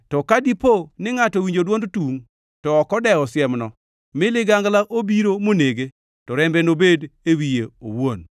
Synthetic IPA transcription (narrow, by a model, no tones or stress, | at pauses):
tɔkadiponɪŋatɔwiɲd͡ʒodwondtuŋ | tɔːkɔdɛɔsjɛmnɔ | mɪlɪɡaŋɡlaʔobiɾomoneɡe | tɔɾɛmbɛnobedewijeo̰won